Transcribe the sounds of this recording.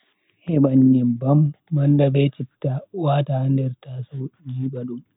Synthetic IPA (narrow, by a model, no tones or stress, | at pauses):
hɛɓaɲːimbɐmːɐndabɛt͡ʃitːawaːtahandɛɾtasod͡ʒiːɓaɗum